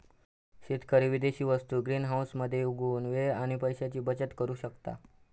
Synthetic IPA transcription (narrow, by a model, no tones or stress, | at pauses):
ɕit̪kəɾiʋid̪eɕiːʋəst̪uːɡɾiːnɦawsməd̪ʱjeuɡʱuːnʋeaɽ̃ipəjɕat͡ɕiːbət͡ɕət̪kəɾuːɕəkt̪a̰